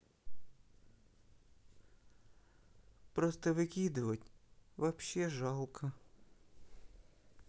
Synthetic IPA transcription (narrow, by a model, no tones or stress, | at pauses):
pɾɔst̪ɐʋɪkʲid̪ʊʋɐtʲʋɐpʃɛʒɑlˠkʰɐ